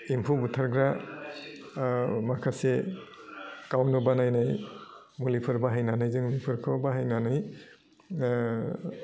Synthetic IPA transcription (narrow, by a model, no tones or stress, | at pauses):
impʰubutʰaɾɡɾa | makʰase | kawnɯbanajnaj | mulipʰɯɾbaɦajnanɯjzɯŋlipʰɯɾkʰɔbaɦajnanɯj